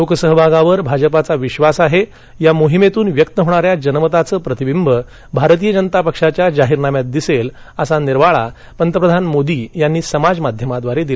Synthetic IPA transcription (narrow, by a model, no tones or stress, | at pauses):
lokəsəɦbʱaɡaʋəɾbʱad͡ʑəpat͡saʋiɕʋasaɦe | jamoɦimet̪uːnʋjək̚t̪əɦoɽ̃aɾjad͡ʑənmət̪at͡səːpɾət̪ibimbʱə | bʱaɾt̪iːjəd͡ʑənət̪apəkʂat͡ɕjad͡zaɦiɾnamjat̪̚d̪isel | əsaniɾʋaɭa̰ | pənt̪əpɾəd̪ʱanmod̪ijanːiːsəmad͡zmad̪ʱjəmad̪ʋaɾed̪il